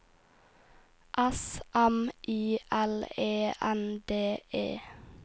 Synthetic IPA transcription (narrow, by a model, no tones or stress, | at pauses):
ʔæsʔæmʔiːʔæleːʔænd̪eːʔḛː